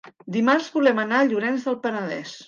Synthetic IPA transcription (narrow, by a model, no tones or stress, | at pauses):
d̪imarzβulɛmənaəʎuɾɛnzðəlˠpənəðɛ̰s